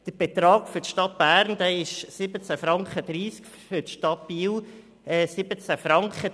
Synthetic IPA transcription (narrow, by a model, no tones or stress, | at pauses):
d̥əb̥et̪ɾɑːɡ̥fʏtʃtɑt̚b̥æːɾnd̥̪ɛːɪʃsɪbət͡sæfɾɑŋχəd̥̪ɾiːskffʏtʃtɑt̚biːw | ɛːsɪbət͡sæfɾɑŋkχə